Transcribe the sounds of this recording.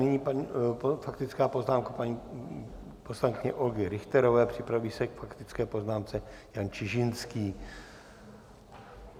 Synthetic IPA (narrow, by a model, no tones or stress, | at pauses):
nɪɲiːpaɲipfakt̪ɪt͡skaːpo̞znaːmkapaɲiː | poslaŋkɪɲɛʔolɡɪɾɪxt̪ɛɾovɛːpr̥ɪpɾaviːsɛkfakt̪ɪt͡skɛːpo̞znaːmt͡sɛjant͡ʃɪʒɪnskiː